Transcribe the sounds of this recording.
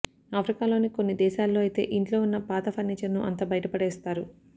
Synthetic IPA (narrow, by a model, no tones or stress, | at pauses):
aːpʰɾikaːlo̞ːnikonːid̪ɛːʃaːlːo̞ːɐjit̪e̞̰ːʔiɳʈlo̞ːunːɐpaːt̪ɐpʰɐnːit͡ʃɐnːuʔɐ̰nt̪ɐbɐjɐʈɐpɐɽɛːst̪aːɾu